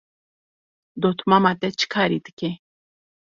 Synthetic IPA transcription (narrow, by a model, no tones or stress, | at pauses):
d̪ot̪ʰmamat̪ɛt͡ʃʰkʰaɾit̪ɨ̥ke